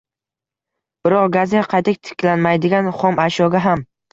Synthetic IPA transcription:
b̥ɪɾɒqɡazeqʰɑjt̪ʰɪk̚ʲt̪ʰɪ̥kʲlanmajd̪ɪɡʲanχɒmaʃɒɡʲaɦam

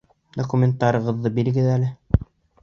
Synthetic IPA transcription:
d̪okumʲent̪ːɑɾʲɤ̆ʁɤ̆ðːɤbiɾɘ̆ɡɘðælɘ

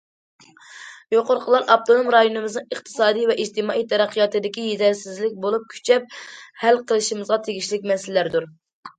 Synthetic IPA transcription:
joqʊɾqʰəlˠɑɾʔɑp̚t̪ʰonomɾɑjonɨmɪznɨŋəχqt̪ʰɨ̥sɑːd̪ijvɛʔid͡ʒt̪ɨmɑːʔijt̪ʰɛɾæqʰːjɑt̪ɨd̪ɪkʲijezæɾsɪzlɪk̚ʲbolˠup̚kʲʰy̥t͡ʃʰɛp̚hælqʰəlˠɨʃimɨzʁɑt̪ʰeɡʲiʃlɪk̚ʲmɛsɪllæɾd̪uɾ

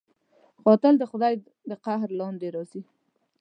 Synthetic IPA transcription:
ɣɑt̪ɪld̪əxʊd̪ɑj | d̪əqahɾlɑnd̪eɾɑsi

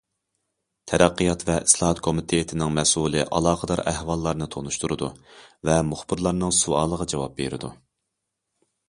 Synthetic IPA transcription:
t̪ʰɛɾæqːəjɑt̪vɛʔislˠɑːɑt̪kʰomɪt̪ʰejet̪ʰɪnɪŋmɛsulˠɨʔɑ̰lˠɑːqʰəd̪ɑɾæhvɑlˠːɑɾnɨt̪ʰonuʃt̪uɾɨd̪uvɛmʊχbɨɾlˠɑɾnɨŋsuɑːlˠəʁɑd͡ʒɑwɑp̚bḛɾɪ̰d̪u

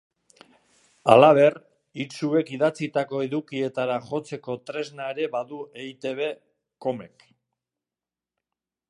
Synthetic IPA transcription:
a̰laβ̞e̞r | it͡sue̞kiðat͡sit̪ako̞eðukie̞t̪aɾaʝo̞t͡se̞ko̞t̪ɾe̞znaeɾe̞βaðuejt̪e̞β̞e̞ | ko̞me̞k

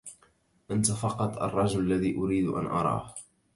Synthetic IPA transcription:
ʔant̪afɑqɑt̪ˤʔɑ̰rˤːɑd͡ʒʊlalːaðiːʔʊɾiːd̪ʔa̰nʔɑ̰ɾˤɑ̰ːh

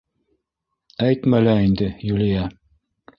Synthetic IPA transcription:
æjt̪mælæind̪ɘjulʲijæ

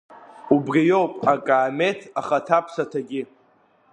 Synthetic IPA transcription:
ubrijo̞wpʼakʼaːme̞tʰaχatʰapʰsatʰaɡʲɪ

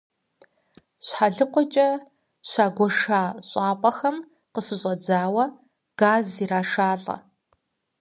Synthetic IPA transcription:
ɕħaɮɨqʷɔt͡ʃʼɐ | ɕʷaːɡʷɔʂaːɕʼɑːpʼɐxɐm | qəɕɨɕʼɐd͡zaːwɐ | ɡ̥aːziːraːʂaːɬʼɐ̰

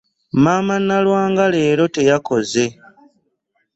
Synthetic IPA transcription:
maːmanːalwaːŋɡale̞ːɾo̞te̞jako̞ze̞

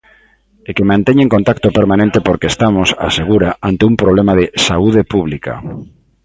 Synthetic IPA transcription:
ekemãnt̪ɛɲeŋkont̪akt̪opeɾmanẽnt̪epoɾkest̪amosa̰seɣ̞uɾaʔant̪eumpɾoβlemaðɪsauð̞epuβ̞lika̰

